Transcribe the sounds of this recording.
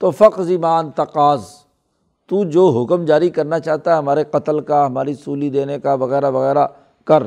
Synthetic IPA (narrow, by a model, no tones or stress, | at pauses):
t̪oːfɐqzimaːnt̪ɐqaːz | t̪ud͡ʒoːɦʊkəmd͡ʒaːɾikɐɾnat͡ʃaːɦt̪aɦɛɦɐmaːɾeqɐt̪əlkaɦɐmaːɾisuːlid̪eːnekaʋɐɣɛːɾaʋɐɣɛːɾa | kɐɾ